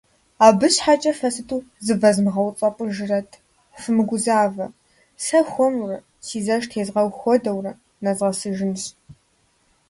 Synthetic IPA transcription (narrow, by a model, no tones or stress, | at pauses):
aːbɨɕħat͡ʃʼɐfɐsɨtʰuːzɨvɐzmɨʁɐwt͡sʼɐpʷʼʊʒɪrɐtʰ | fɨmɨɡʷʊzaːvɐ | sɐxʷɔmrɐ | siːzɐʃtʰeːzʁɐwxʷɔdɐwrɐ | nɐzʁɐsɨʒɪnɕ